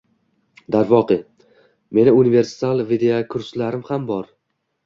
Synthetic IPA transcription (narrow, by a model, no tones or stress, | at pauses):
d̪aɾvɒqʰɨ | me̞nɪʊnive̞ɾsɪ̥t̪alˠvid̪eokʰʊɾslaɾɪmhambɒɾ